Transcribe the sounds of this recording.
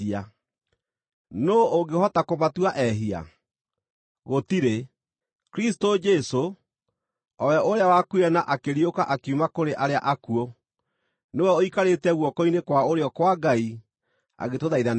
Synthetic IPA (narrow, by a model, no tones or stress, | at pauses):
a | nooŋɡehɔtakoβatuaʔɛɦia̰ | ɣotiɾe | kɾistod͡ʒɛso | ɔwɛʔoɾeawakweɛnaʔakeɾiokaʔakeumakoɾeʔaɾea̰ʔakuo | newɛoikaɾetɛɣwɔkɔinekwaoɾeɔkwaɡai | a̰ɣetoðaiðan